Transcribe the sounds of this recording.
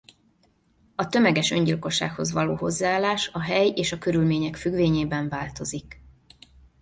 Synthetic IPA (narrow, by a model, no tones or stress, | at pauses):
ɒt̪ø̞mɛɡɛʃø̞̰ɲɟilko̞ʃːa̰ːkho̞zʋɒloːɦo̞zːaːlːaːʃɒɦɛjeːʃɒkø̞ɾylmeːɲɛkfyɡʋeːɲeːbɛɱvaːlt̪o̞zik